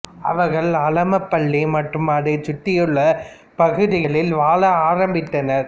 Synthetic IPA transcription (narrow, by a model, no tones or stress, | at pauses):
ʔɐ̰ʋɐɾɣɐɭɐlɐmɐpːɐɭːimɐʈrɯmɐðɐɪt͡ʃʊʈːɪjɯɭːɐ | pɐɣɯðɪɣɐɭɪlʋaːlɐaːɾɐmbɪʈ̪ːɐnɐɾ